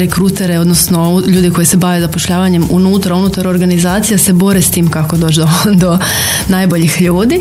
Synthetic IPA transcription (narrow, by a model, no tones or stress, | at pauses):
ɾekɾuːt̪e̞ɾeo̞d̪nosnoʎuːd̪ikojise̞baʋezapo̞ʃʎaːʋaɲe̞munuːt̪ɾaunut̪aɾo̞ɾɡanizaːt̪sijase̞bo̞ɾest̪iːmkako̞d̪o̞ːd͡ʑd̪od̪o̞ | naːjbo̞ʎixʎuːd̪i